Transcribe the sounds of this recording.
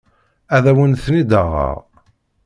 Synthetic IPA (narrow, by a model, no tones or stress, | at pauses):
æðæwənθnid̪əʁə̰ʁ